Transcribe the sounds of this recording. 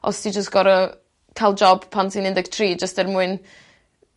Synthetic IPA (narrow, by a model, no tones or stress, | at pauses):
ɔ̰stʰid͡ʒəstɡ̥ɔɾə | kʰajlˠd͡ʒɔb̥pʰantʰinɪndɛɡtʰriːd͡ʒəstɛrmuɨn